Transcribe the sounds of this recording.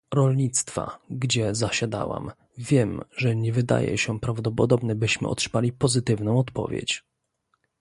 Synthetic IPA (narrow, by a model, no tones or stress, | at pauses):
ɾɔlɲit̪st̪fa̰ɡd͡ʑɛzaɕad̪a̰wa̰m | vʲjɛmʐɛɲɛvɘd̪a̰jɛ̰ɕɛpɾavd̪ɔpɔd̪ɔbnɛbɘɕmɘ̰ɔ̰tʂɘ̥malʲipɔzɘt̪ɘvnɔ̃w̃ɔt̪pɔ̰vʲɛ̰t͡ɕ